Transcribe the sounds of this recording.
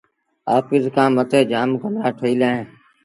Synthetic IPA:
aːpɪzkãːmət̪eːd͡ʒaːmkəmaːʈʰoːiːlaːẽː

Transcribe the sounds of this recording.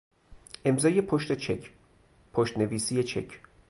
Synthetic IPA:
ʔe̞mzɒːje̞pʰoʃt̪et͡ʃʰecʰ | pʰoʃt̪ne̞viːsijet͡ʃʰḛcʰ

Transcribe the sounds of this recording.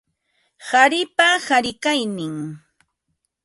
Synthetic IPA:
haɾɪpahaɾɪkajnɪŋ

